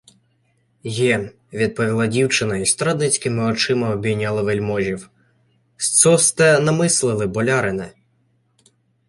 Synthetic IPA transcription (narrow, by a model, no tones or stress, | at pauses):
jɛ | ʋʲid̪̚pɔʋʲilˠɑdʲiwt͡ʃɪnɐist̪ɾɑd̪nɪt͡sʲkɪmɪɔt͡ʃɪmɐɔbʲijnʲːɑlˠɪʋelʲmɔʒʲiw | st̪sɔst̪ɛnɐmɪslˠɪlˠɪbɔlʲɑɾɪnɛ